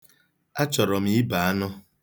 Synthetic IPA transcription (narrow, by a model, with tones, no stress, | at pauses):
a˦t͡ʃɔ˨ɾɔ˨m̩i˨˦i˦ba˨a˦nɔ˦